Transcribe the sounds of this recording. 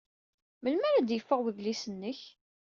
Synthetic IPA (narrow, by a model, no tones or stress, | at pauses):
məlmæɾæd̪jəfːəʁwəðlisənːəç